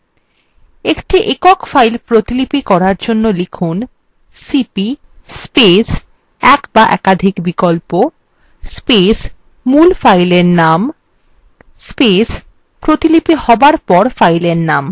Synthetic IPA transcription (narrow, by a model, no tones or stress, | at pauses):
ekʈiʔekɔkfajlpɾot̪ilipikɔɾaɾd͡ʑonːolikʰun | sipi | spes | ɛkbaʔɛ̰kad̪ʱikbikolpo | spes | mulfajleɾnam | spes | pɾot̪ilipihɔbaɾpɔɾfajleɾnam